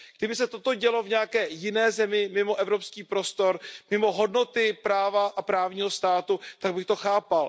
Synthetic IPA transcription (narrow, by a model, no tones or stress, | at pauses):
ɡ̥dɪbɪsɛt̪ot̪o̞ɟɛlo̞vɲɛakɛːjɪnɛːzɛmɪmɪmo̞ʔɛvɾo̞pskiːpɾo̞st̪o̞ɾmɪmo̞ɦo̞dno̞t̪ɪpɾaːvaʔapɾaːvɲiːɦost̪aːt̪ut̪aɡ̚bɪxt̪o̞xaːpal